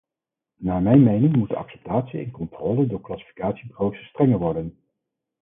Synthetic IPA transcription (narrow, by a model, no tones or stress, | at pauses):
naːmɛjnmejnɪŋmut̚dəɑ̰ksɛ̥p̚taːtsiɪ̰nkɔntrɔːlədʊːɹklɑsi̥fi̥kaːtsibrowsəstrɛŋəɹʋɔɹdən